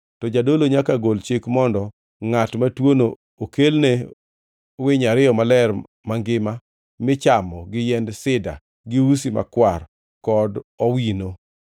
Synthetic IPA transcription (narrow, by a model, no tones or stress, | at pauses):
tɔd͡ʒadoloɲakaɡolt͡ʃikmɔndɔ | ŋatmatwono | okelne | wɪɲaɾɪjɔmalɛr | maŋɡɪma | mɪt͡ʃamɔɡɪjɛndsɪda̰ | ɡɪwus̬ima̰kwar | kɔdɔwino